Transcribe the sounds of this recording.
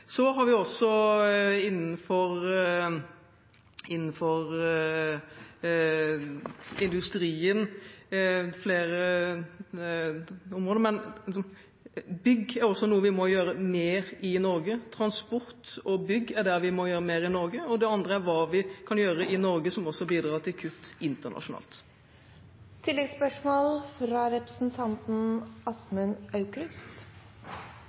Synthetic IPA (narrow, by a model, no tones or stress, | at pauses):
sɔɦɑɾʋɪɔsːɔ | ɪnːn̩fɔɾ | ɪnːn̩fɔɾ | ɪnd̪ʉst̪ɾiːən | fleːɾə | ʊmɾʁoːd̪əɾmɛn | bʏɡːæɾɔsːɔnuːəʋɪmɔjøːɾəmeːɾɪnɔɾɡət̪ʰɾɑnspɔɾt̪ɔbʏɡːæɖ̪æɾʋɪmɔjøːɾəmeːɾɪnɔɾɡəɔd̪ɛɑnd̪ɾəæɾʋɑːʋɪkʰɑnjøːɾəʔɪnɔɾɡəsɔmɔsːɔbiːd̪ɾɑːt̪ʰɪlkʰʉt̪ːɪnt̪ənɑ̰ʂʊnɑ̰ːlt̪ | t̪ʰɪlːɛɡspœʂmoːlfɾɑɾɛpɾəsn̩t̪ʰɑnt̪n̩ɑsmənɑʉkɾʉst̪